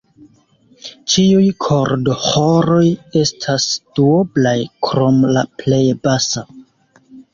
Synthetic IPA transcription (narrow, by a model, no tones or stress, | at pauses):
t͡ʃiujkʰo̞ɾdohoɾo̞je̞stʰasd̥uoblajkɾo̞mlaple̞jbasa